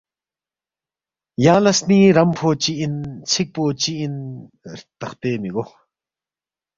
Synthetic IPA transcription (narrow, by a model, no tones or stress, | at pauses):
jaŋlasniɾampʰot͡ɕiʔint͡sʰik̚pot͡ɕiːn | ɾt̪aχt̪emiɡoχ